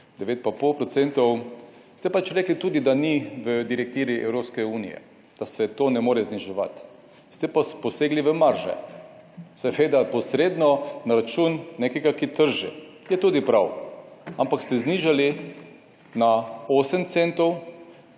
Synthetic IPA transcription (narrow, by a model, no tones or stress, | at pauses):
d̪ɛʋeːt̪̚papolpɾɔt̪sɛnt̪ɔw | st̪ɛpat͡ʃɾɛːklit̪uːd̪id̪aniʋəd̪iɾɛk̚t̪iːɾiʔɛ̰wɾopskɛuːnḭjɛ̰ | d̪̥asɛt̪onɛmoːɾɛzniʒɛʋa̰t̪ | st̪ɛpɔspɔseːɡliʋəmaɾʒɛ̰ | sɛʋeːd̪apɔsɾeːd̪nɔnaɾat͡ʃunːekɛɡakit̪əɾʒɛ̰ | jɛt̪uːd̪ipɾawampakst̪ɛzniʒali | naoːsəmt̪sent̪ɔw